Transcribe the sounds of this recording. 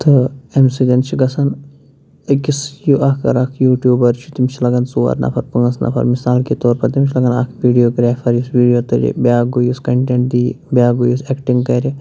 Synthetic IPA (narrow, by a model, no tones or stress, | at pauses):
t̪ɨemsid͡ʒʲɐnt͡ʃʰiɡɐsɐn | kisjuʔaːkʰɐ̰ɾakʰjuːʈjuːbɐɾt͡ʃʰut̪imt͡ʃʰilɐɡɐnsuʋɐ̰ɾnʔɐ̰pʰɐɾpɐŋɡɐsna̰pʰɐ̰ɾmisaːlkit̪oːɾpɐɾt̪imt͡ʃʰlɐɡɐna̰kʰʋiːɖijoːɡɾɛːfʰɐɾjusʋiːɖijoːt̪ɨɾḭbjaːɡuːjuskɐɳʈeɳʈʈd̪i | bʲjaːɡujuseːkʈiŋɡkɐɾi